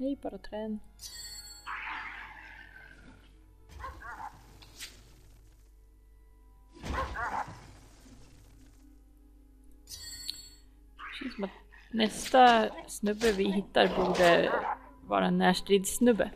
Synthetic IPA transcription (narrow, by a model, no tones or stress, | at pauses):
ɛɪbɑːɾət̪ʰɾeːn | ʃiːsɔmɑt̪nɛst̪əsnʉbəʋɪhɪt̪ːɑɾbud̪ə | ʋɑ̰ːɾɛnːæːʂʈɾiːd̪snʉbə